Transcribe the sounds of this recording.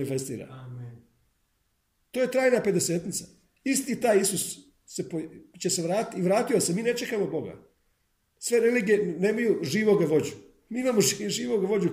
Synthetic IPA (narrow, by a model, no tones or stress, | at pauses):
nife̞st̪ḭːɾa̰ | t̪o̞ːje̞t̪ɾaːjnape̞d̪e̞se̞ːt̪nit̪sa | ist̪it̪aːjisusː | e̞pot͡ɕe̞se̞ʋɾaːt̪iʋɾaːt̪iosemiːne̞t͡ʃe̞kamo̞bo̞ɡa̰ | sʋe̞ɾeliːɡije̞nemajuʒiːʋo̞ɡaʋo̞d͡ʑu | miːimaːmoiʒiːʋo̞ɡaʋo̞d͡ʑu